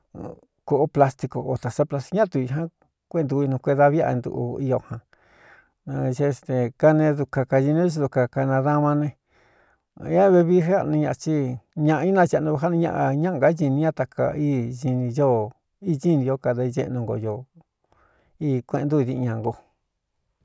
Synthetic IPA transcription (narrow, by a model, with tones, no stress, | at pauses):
ko˧ʔo˦pla˧st̪i˧ko˨o˨t̪a˨sa˦pla˧st̪i̥˧˦ã˦t̪u˧i˧ɦã˦ | kʷe˧˦˧nd̪u˧i˧nũ˧kʷe˧ða˧βja̰˧nd̪ṵ˧ʔṵ˧i˧jo˧hã˨˧ | ʒe˦˧st̪e˧˨ka˧nẽ˧ðu˧ka˧ka˧ʒi˧nĩ˦i˧ðu˧ka˧ka˧nã˧ða˦mã˧nẽ˧˦ | a˦βe˧βi˦ʐe˦a˧nũ˧ɲã˧t͡ʃi˦ɲã˧ʔi˦nã˧t͡ʃe˧nũ˧ɡo˧ɦa˦nũ˧ɲã̰˧ʔa˧ɲã˦ŋɡa˦ʒi˧nĩ˧˦ã˦t̪a˧kʰa̰˧i˦ʒi˧nĩ˧jo˦ | i˦˧ʒi˦nĩ˧o˦ka˧ða˧ʒḛ˧ʔnũ˧ŋɡo̰˧˨jo˧ | iː˦˧kʷẽ˧nd̪u˦˧ði˧ɲã˧ŋɡo˧